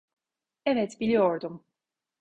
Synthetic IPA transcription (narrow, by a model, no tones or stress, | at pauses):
ɛvɛt̪ʰbilijɔɾd̪um